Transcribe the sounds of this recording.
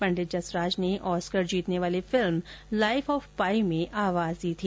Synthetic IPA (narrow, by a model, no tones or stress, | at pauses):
pɐ̃ɳɖɪd͡ʒɐsɾaːd͡ʒneʔɔːskəɾd͡ʒiːt̪neʋaːlefɪlmlaːɪfɔːfpaːimẽʔaːʋaːzd̪iːt̪ʰiː